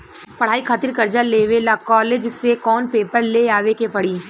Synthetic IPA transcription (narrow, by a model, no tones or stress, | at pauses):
pɐɽ̤aːikʰaːt̪ɪɾkɐɾd͡ʒaleːʋeːlakɔːleːd͡ʒsekɔːnpeːpəɾleaːʋekepɐɽ̤iː